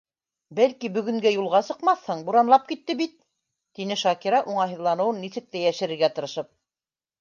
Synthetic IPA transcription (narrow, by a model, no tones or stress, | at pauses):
bælkibɵ̆ɡɵ̆ŋɡæjulˠʁɑsɤ̆qmɑθhɤɴbuɾɑnlˠɑp̚kit̪ːɘbit̪̚ː | inɘʃɑkiɾɑʔuɴɑɦɤ̆ðlˠɑnɤ̆wɤnːisɘ̆k̚t̪æjæʃɘ̆ɾɘ̆ɾɡæt̪ɤ̆ɾɤ̆ʃɤp̚